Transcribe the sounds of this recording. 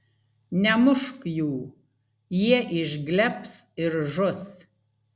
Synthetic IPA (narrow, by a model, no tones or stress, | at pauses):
nʲɛmʊʃkjuː | jiɛʔɪʒɡlʲɛpsɪɾʒʊs